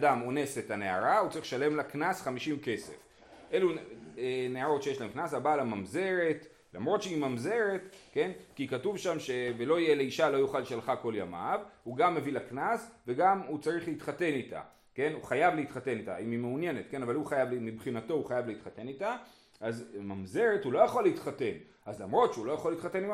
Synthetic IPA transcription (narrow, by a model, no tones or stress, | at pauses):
adamo̞ne̞se̞tane̞a̰ʁaut͡saʁiχʃale̞mlaknasχamiʃimke̞se̞̰f | ʔe̞lu | neaʁo̞tʃejeʃlaemknasabaːlamamze̞ʁet | la̰mʁo̞t̪ʃeimamze̞ʁe̞tke̞nkikatuvʃamʃe̞velo̞ijele̞iʃalo̞juχaleʃalχako̞ljama̰vhuɡamːe̞vilaknasve̞ɡamut͡saʁiχleitχate̞nita̰ | ke̞nuχajavleitχate̞nita̰imimeunje̞ne̞tke̞navaluχajavlmibχinato̞uχajavleit̪χate̞nita | ʔazmamze̞ʁe̞thulo̞jaχolːeit̪χate̞n | azlamʁo̞tʃeulo̞jaχolːit̪χate̞nim